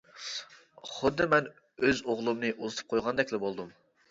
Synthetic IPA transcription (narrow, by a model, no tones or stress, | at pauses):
χʊd̪ːɨmɛn | øzoʁlˠumnɨʔozɨt̪ʰɨ̥p̚qʰojʁɑnd̪ɛkʲlɪbolˠd̪um